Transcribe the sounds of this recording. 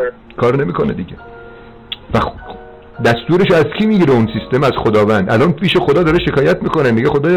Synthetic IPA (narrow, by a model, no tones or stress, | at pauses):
kʰɒːɾne̞miːkʰo̞nḛd̪iɟʲe | væ | d̪æst̪uːɾe̞ʃoæzkʰiːmiːɡiɾeunsist̪emæzxod̪ɒːvænd̪ʔælɒːnpʰiːʃe̞xod̪ɒːd̪ɒɾeʃe̞kʰɒːjæt̪miːko̞neniɡexod̪ɒːj